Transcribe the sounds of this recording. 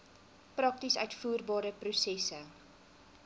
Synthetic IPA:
prɐk̚tisœ̰ɥtfuːrbɑːɾəprusɛsə

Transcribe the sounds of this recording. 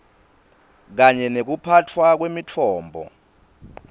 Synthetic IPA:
k̬aɲɛnek̬upʰatʰwak̬wemitʰɔːmbʱɔ̰

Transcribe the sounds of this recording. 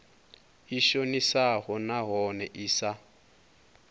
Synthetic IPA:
iʃonisahɔnaɦɔnɛʔiːsa

